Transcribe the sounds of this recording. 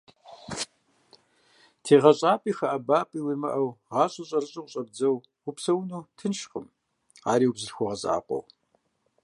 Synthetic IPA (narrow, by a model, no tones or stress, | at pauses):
tʰeːʁɐɕʼaːpʼiːxɐʔabaːpʼiwimɐ̰ʔɐwʁɑːɕʼʊɕʼɐrɨɕʼʊqʷʼɕʼɐb̚d͡zɐw | ʊpsɐwnuːtʰɨnʃqʼəm | a̰ːɾiːwubzɨrxʷɔʁɐzʼa̰ːqʷʼɔ̰w